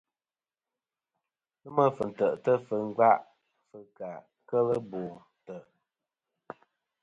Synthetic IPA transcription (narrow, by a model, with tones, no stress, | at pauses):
lɨ˦mə˦fə˨n̩˨tə˨ʔtə˦fə˨ŋ˦ɡa˦ʔ | fə˨ka˨ | kə˦lə˦boː˨ | tə˨ʔ